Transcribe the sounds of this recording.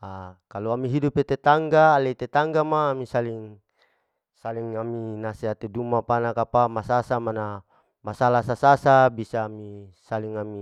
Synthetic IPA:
akaluamiɦidupet̪et̪aŋɡaːlet̪et̪aŋɡamaːmisaliŋ | saliŋaminaseɦat̪edumapanakapamasasamana | masalasasasabisaːmisaliŋami

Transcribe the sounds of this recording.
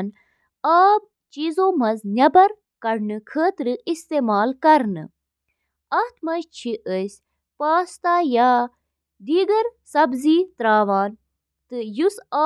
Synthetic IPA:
n | aːb̚ | t͡ʃiːzoːmɐznʲɐbɐɾ | kɐɾnɨkʰəːt̪ɾɨist̪eːmaːlkɐɾnɨ̰ | ɐt̪ʰmɐʃt͡ʃʰiʔəsʲ | paːst̪aːjaː | ɖiːɡɐɾsɐbziːt̪ɾaːʋaːn | t̪ɨjusaː

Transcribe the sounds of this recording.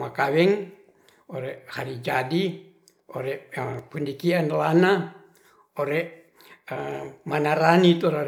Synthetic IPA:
makawɛŋ | oɾɛhaɾid͡ʒadi | oɾɛpundikianlana | oɾɛʔ | manaɾanit̪ɔɾo

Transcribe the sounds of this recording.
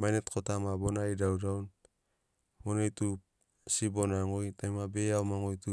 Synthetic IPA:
majnet̚kʰotamabonaidawdawn | monejtu | sibonaŋojtajmabeawmaŋojtu

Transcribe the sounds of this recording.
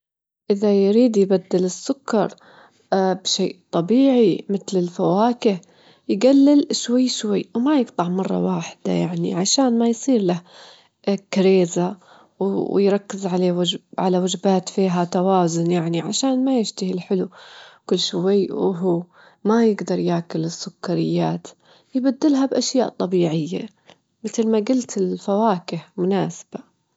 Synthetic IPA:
ʔɪðajɾiːd̪jbad̪ːɪlɪsːʊkːɑɾˤ | bʃeːʔt̪ˤɑbiːʕimɪt̪lɪlfawaːkɪh | jɡalːɪlʃwajːʃwajːwmajɪɡt̪ˤɑʕmɑrˤːɑ̰waːħɪ̥d̪̥a̰jaʕnḭʕaʃaːnmajsˤiːɾlah | kɾeːza | wjɾˤɑkːɪzʕaleːwaʕalawad͡ʒbaːt̪fiːɦat̪awaːzʊnjaʕniʕaʃaːnmajɪʃt̪ahilħɪlukʊlːʃwajːwɦuː | majɪɡd̪ɑɾˤjaːkʊlɪsːʊkːaɾɪjːaːt̪ | jɪbad̪ːɪlɦabʔaʃjaːʔt̪ˤɑbiːʕɪjːa̰ | mɪt̪lmaɡʊlt̪ɪlfawaːkɪhmʊnaːsḁb̥a

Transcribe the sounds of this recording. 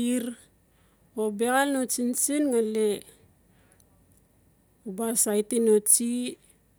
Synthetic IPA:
iɾ | obeɣalnot͡ʃint͡ʃinŋale | ubasajtinot͡ʃi

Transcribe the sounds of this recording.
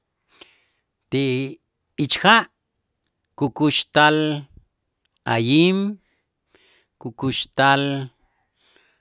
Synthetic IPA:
t̪iʔ | it͡ʃxaʔ | kukuʃt̪al | ajiːm | kukuʃt̪al

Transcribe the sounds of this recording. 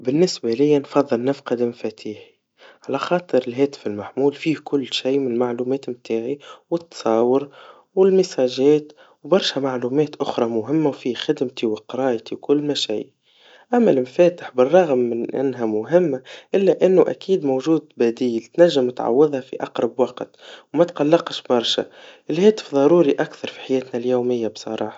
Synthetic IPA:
bɪnːɪsbælɪjːænfɑðˤːɨlnɪfqɑd̪ɪmfɛt̪ʰiːħi̥ | ʕalæxɑːt̪ˤɨɾɪlɦɛːt̪ɪ̥fɪlmaħmuːlfiːhkʊlːʃijmɪnlmaʕluːmɛːt̪mt̪ʰaːʕiwɪt̪ːsˤɑːwəɾ | wɪlmɪsɑːʒɛːt̪ | wbɑɾˤʃæmaʕluːmɛːt̪ʔʊxɾˤɑmʊɦɪmːawfiːhxɪd̪mt̪iwɪqɑɾˤɑːjt̪iwkʊlːmæʃæ̰j | ʔæmːælɪmfɛːt̪ə̥ħbərˤːɑɣmːɪnʔɪ̰nːɦæmʊɦɪmːaʔɪlːæʔɪnːuʔæ̰kiːd̪mowʒuːd̪̚bæd̪iːlt̪næʒːɪmt̪ʕa̰wːɪðˤhæfḭʔɑqɾˤɑbwɑqt̪wmæt̪qɑlːɑqʃbɑɾˤʃæ̰ʔɪlhɛːt̪ə̥fðˤɑɾuːɾiʔakθɑɾˤfi̥ħajɛːt̪næljuːmɪjːabsˤɑ̰ɾˤɑ̰ːħɑ̥

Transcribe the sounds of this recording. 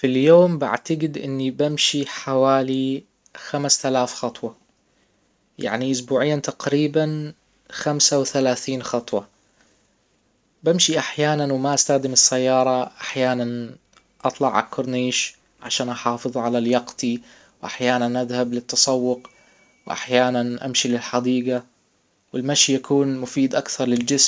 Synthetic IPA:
filjoːmba̰ʕt̪aɡɪd̪ʔɪ̰nːibɪmʃiħawaːli | xamst̪alaːfxɑt̪ˤwɑ | ja̰ʕniʔʊsbuːʕɪjːat̪aqɾiːban | xamsawθalaːθiːnxɑt̪ˤwɑ | bɪmʃiʔaħjaːnanwmaʔast̪axd̪ɪmɪsːajːɑːɾˤɑʔaħjaːnan | ʔɑt̪ˤlɑʕa̰kʰːʊɾniːʃ | ʕaʃaːnʔɑħɑːfɨðˤʕalaljɑqt̪i | wʔaħjaːnanʔaðhablɪt̪ːɑsˤɑwːʊq | wʔa̰ħjaːnanʔa̰mʃilɪlħɑd̪iːɡa | wɪlmaʃijakʰuːnmʊfiːd̪ʔakθɑɾˤlɪld͡ʒɪs

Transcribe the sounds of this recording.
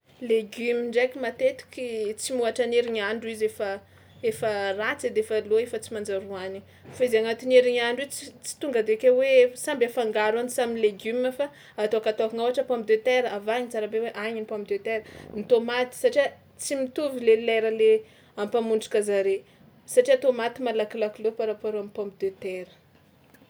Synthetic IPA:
leɡymiɳɖ͡ʐakimat̪et̪u̥kʲit͡simuaʈ͡ʂaneɾiɲaɳɖ͡ʐizefə | efərat͡sed̪eefaloefət͡simand͡ʒaɾuani | faizaŋat̪ineɾiɲaɳɖ͡ʐuit͡sit͡si̥t̪uŋɡəd̪ekewesambafaŋɡaɾanisaminleɡymafa | at̪oakat̪okiŋawaʈ͡ʂəpɔmpid̪øt̪eɾəavaɲit͡saɾabeweʔaɲinipɔ̃mpd̪øt̪eɾənit̪omat̪i̥saʈ͡ʂia | t͡simit̪uvilelɛɾəle | ampamuɳɖ͡ʐu̥kazaɾe | saʈ͡ʂiat̪omat̪imalakilakilopaɾapaɾoamipɔ̃mpid̪et̪eɾə̥

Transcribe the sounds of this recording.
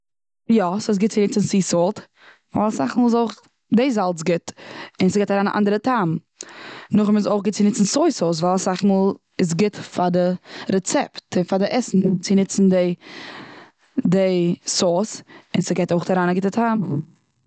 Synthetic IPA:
jɔsoːs̬ɡɪt̚t͡sɪnɪt͡sn̩sisɔlˠt | va̰lˠsaχmuːlˠzoʊχ | deɪzalˠt͡sɡɪtɪnsəɡɛtaɾaːna̰ʔa̰ndəɾətʰaːm | nʊχɪmɪs̬oʊχɡɪt̚t͡sɪnɪt͡sn̩soɪsoːs̬valˠsaχmulˠ | ɪs̬ɡɪtfadɪɾɛt͡sɛptɪnfadɪʔɛsn̩t͡sɪnɪt͡sn̩dɪ | dɪsoːsɪnsɪɡeɪtoʊχtaɾaːnaɡɪtətʰam

